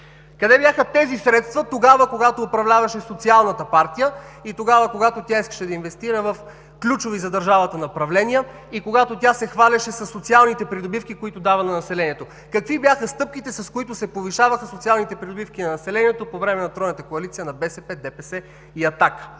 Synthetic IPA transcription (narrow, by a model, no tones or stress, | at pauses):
kɐd̪ɛbjaxət̪ɛzisɾɛt̪st̪vət̪oɡavəkoɡat̪oːpɾɐvlʲavɐʃɛsot̪sialˠnət̪əpaɾt̪ijəit̪oɡavəkoɡat̪ot̪ʲjaiskə̥ʃɛd̪ɐinvɛst̪iɾəvɐf | klʲut͡ʃovizɐd̪ɐɾʒavət̪ɐnɐopɾɐvlɛnijə | ikoɡat̪ot̪ʲjasɛxvalʲɐʃɛsɐsːot̪sialˠnit̪ɛpɾid̪obifkikoit̪od̪avənɐnɐsɛlɛnʲiɛt̪o | kɐkvibjaxəst̪ɤp̚kit̪ɛsɐskoit̪ʊsɛpoviʃavɐxəsot̪sialˠnit̪ɛpɾid̪obifkʲinɐnɐsɛlɛniɛt̪opovɾɛmɛnɐt̪ɾɔjnɐt̪əkoɐlit̪sijənɐbɛsɛpɛd̪ɛpɛsɛ | iɐt̪ak